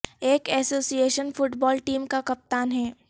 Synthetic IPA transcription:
eːkɛːsoːsieːʃənfʊʈbɔːlʈiːmkakɐp̚t̪aːnɦɛː

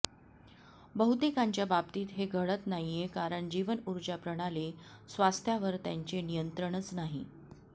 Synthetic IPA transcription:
bəɦut̪ekaɲt͡ɕjabab̚t̪iːt̪ɦeɡʱəɭət̪naɦjijekaɾəɳd͡ʑiʋənuɾd͡ʑapɾəɽ̃alesʋast̪ʰjaʋəɾt̪jaɲt͡ɕenijənt̪ɾəɽ̃ət͡snaɦḭ

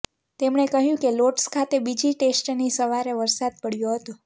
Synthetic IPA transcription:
t̪emɳekəɦjũkeloʈskʰat̪ebid͡ʒiʈesʈnisəʋaɾeʋəɾsad̪̚pəɽjoɦət̪õ

